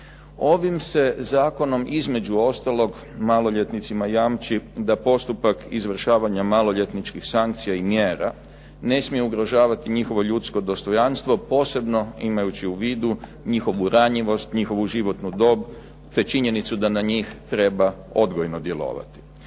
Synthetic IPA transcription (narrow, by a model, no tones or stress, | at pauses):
o̞ʋimse̞zaːko̞no̞mʔizme̞d͡ʒuo̞st̪alo̞ɡ | malo̞ʎet̪nit̪simajamt͡ʃid̪apo̞st̪upakizʋr̩ʃaːʋaɲamalo̞ʎet̪nit͡ʃkixsaŋk̚t̪sijaimjeːɾa̰ | ne̞smije̞uɡɾoʒaːʋat̪iɲixo̞ʋo̞ʎut̪sko̞d̪o̞st̪o̞janst̪ʋo̞po̞ːse̞bno̞imajut͡ɕiuʋiːd̪u | ɲixo̞ʋuɾaɲiʋo̞st̪ɲixo̞ʋuʒiʋo̞t̪nud̪o̞ːb | t̪e̞t͡ʃiɲe̞nit̪sud̪anaɲiːxt̪ɾe̞ba | o̞d̪ɡojno̞d̪je̞lo̞̰ːʋa̰t̪i̥